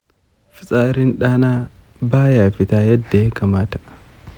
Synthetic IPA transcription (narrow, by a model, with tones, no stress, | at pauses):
fɪ˨t͡sʼaː˦ɾɪ˦nᶑaː˦naː˦ | baː˦ja˨fɪ˨t̪a˦jɐ˦d̪ːeː˨˦kɐ˨ma˦t̪ḁ